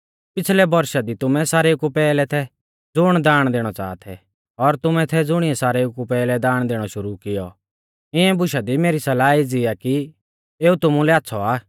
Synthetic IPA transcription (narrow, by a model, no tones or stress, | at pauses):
pɪt͡sʰlɛbɐɾʃad̪it̪ʊmɛ̃saːɾeːkupɛːlɛt̪ʰɛ | d͡zʊɽ̃d̪aːɽ̃d̪eːɽ̃ɔt͡sa̰ːt̪ʰɛ̰ | ɔɾt̪ʊmɛ̃t̪ʰɛd͡zʊɽ̃ɪɛsaːɾeʊkupɛːlɛd̪aːɽ̃d̪eːɽ̃ɔʃʊɾukɪjɔ̰ | ɪɛ̃bʊʃad̪imeːɾisɐlaːid͡zɪaki | eːut̪ʊmũlɛaːtːsʰɔaː